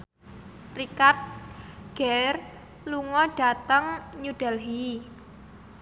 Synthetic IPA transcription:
rikart̪̚ɡ̥ɛr | luŋɔɖ̥a̤t̪əŋɲuɖ̥ɛlɦi

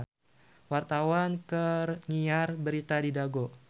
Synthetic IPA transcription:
wart̪awankərŋiarbəɾit̪adidaɡɔ

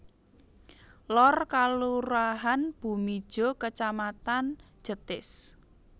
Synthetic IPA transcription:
lɔrkaluɾaɦanb̥ṳmi̥ʒ̥ɔ̤kət͡ʃamat̪an̥ | d͡ʒ̥ə̤t̪ɪs

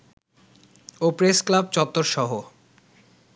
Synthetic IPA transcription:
opɾesklabt͡ɕɔp̚t̪ːoɾʃɔɦo

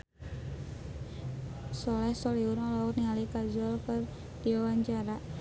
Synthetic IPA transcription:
sɔlɛhsɔliwuralawɔt̪niŋalikad͡ʒɔlkər | d̪̥iɔwaɲt͡ʃaɾa

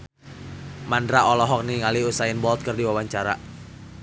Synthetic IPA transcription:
mandɾaɔlɔɦɔk̚niŋaliusaɪnbɔlt̪̚kɨrdiwawaɲt͡ʃaɾa̰

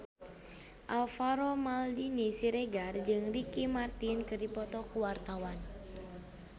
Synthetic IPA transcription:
ʔalfaɾomaldinisiɾeɡard͡ʒɨŋrikimart̪inkɨrdipɔt̪ɔkuwart̪awan

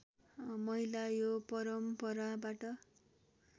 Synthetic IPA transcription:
mʌɦilajopʌɾʌmpʌɾabaʈʌ

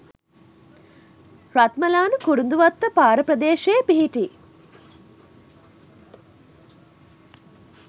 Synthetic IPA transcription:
rat̪məlaːnəkuɾund̪uʋat̪ːəpaːɾəprəd̪eːʃeːpiɦiʈi

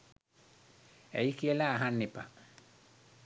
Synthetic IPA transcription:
ejkijəlaːɦanːipa

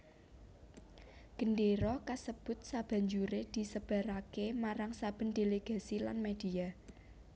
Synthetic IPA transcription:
ɡ̥ə̤nɖeɾɔkasəb̥ʊ̤t̪̚sab̥ä̤ɲd͡ʒuɾed̪̥i̤səb̥a̤ɾakemaɾaŋsab̥ə̤nd̥̪eleɡ̥a̤sila̰nmed̪̥i̤a

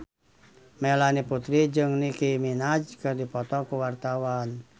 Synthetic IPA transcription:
mɛlaniput̪ɾid͡ʒɨŋnikiminad͡ʒkɨrdipɔt̪ɔkuwart̪awan

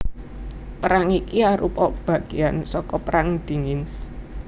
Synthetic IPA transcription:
pəɾaŋikiaɾupɔʔb̥ä̤ɡ̥eansɔkɔpəɾaŋd̪̥i̤ŋɪn

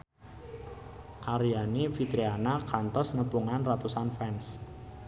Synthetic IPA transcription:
ʔaɾijanifit̪ɾianakant̪ɔsnəpuŋanrat̪usanfɛns

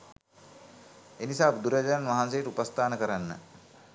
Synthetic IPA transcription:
enisaːpd̪uɾjəd͡ʒəanʋaɦanseiʈupəst̪ʰaːnəkəɾanːə̰

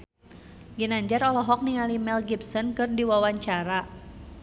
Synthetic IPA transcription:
ɡinaɲd͡ʒarɔlɔɦɔk̚niŋalimɛlɡip̚sɔnkɨrdiwawaɲt͡ʃaɾa

